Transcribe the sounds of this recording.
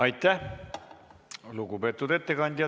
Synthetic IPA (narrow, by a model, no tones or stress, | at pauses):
ɑjt̪ːˑæh | luɡupe̞ːt̪ːˑud̪e̞t̪ːe̞kɑnʲd̪̥ʲjɑ